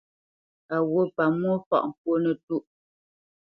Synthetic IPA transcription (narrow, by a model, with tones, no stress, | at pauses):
a˨wo˦˨pa˨mwo˦fɔ̰˦˨ʔŋ̩˨k̚wo˦nə˨tu˦ʔ